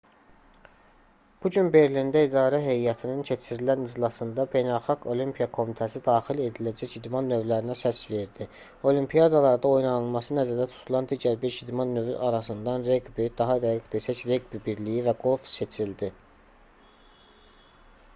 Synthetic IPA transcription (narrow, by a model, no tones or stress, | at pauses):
b̥uɟynbe̞ɾlind̪æid̪ɑːɾæɦe̞jjɑt̪ʰinɯncʰe̞t͡ʃʰiɾilænizlˠɑsɯnd̪ɑbe̞jnælˠxɑɡo̞limpʰijɑkʰo̞mit̪ʰæsid̪ɑːχile̞d̪ilæd͡ʒæcid̪mɑnːø̞vlæɾinæsæsve̞ɾd̪i | o̞limpʰijɑd̪ɑlˠɑɾd̪ɑo̞jnɑnɯlˠmɑsɯnæzæɾd̪æt̪ʰu̥t̪ʰulˠɑnd̪iːɟæɾbiɾʃid̪mɑnːøvyʔɑɾɑs̬ɯnd̪ɑnɾeɡbid̪ɑɦɑd̪æɡiɡd̪e̞sæcɾe̞ɡbibiɾlijivæɡo̞lˠfse̞t͡ʃʰild̪i